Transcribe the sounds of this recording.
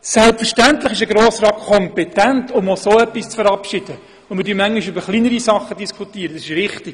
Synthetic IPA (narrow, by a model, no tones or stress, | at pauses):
sɛlpfəɾʃtæntləχɪʃəɡɾoːsɾɑːkʰɔmpɛtɛntʰʊmosoːœpːist͡sfəɾɑpʃid̥ə | ʊnmɪd̥yːmæŋɡɪʃybəɾχlinəɾisɑχədiskʰutiːɾədɑsɪʃɾɪχtiɡ